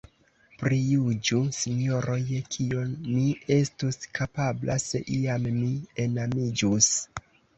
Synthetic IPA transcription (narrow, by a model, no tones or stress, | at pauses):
pɾijud͡ʒusiɲjoɾʔo̞jkʰionmie̞stuskapablase̞̰ʔiammie̞namid͡ʒus